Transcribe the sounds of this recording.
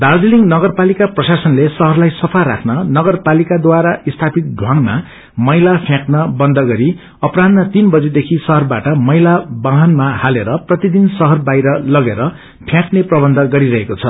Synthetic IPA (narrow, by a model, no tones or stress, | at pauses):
d̪ard͡ziliŋnʌɡʌrpalikaprʌsasʌnlesʌɦʌrlajsʌpʰaɾa̰kʰnʌnʌɡʌrpalikad̪waɾaʔist̪ʰapik̚ɡʱwʌ̃ŋma̰ | mʌjlapʰjãknʌbʌnd̪ʱʌɡʌɾi | ʌprad̪mat̪inbʌd͡zed̪ekʰisʌɦʌrbaʈʌmʌjlabãɦʌnmahaleɾʌprʌt̪id̪insʌɦʌrbajɾʌlʌɡeɾʌ | pʰjãkneprʌbʌnd̪ʱʌɡʌɾiɾʌɦekot͡sʰʌ